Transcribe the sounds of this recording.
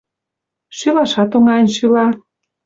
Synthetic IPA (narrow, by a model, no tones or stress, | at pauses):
ʃylɑʃɑt̪oŋɑnʲʃylɑ